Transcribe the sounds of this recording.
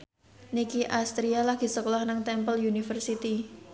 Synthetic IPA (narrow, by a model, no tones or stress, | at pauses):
nikiʔast̪ɾialaɡ̥i̤səkolahnəŋt̪ɛmpəljunifərsit̪i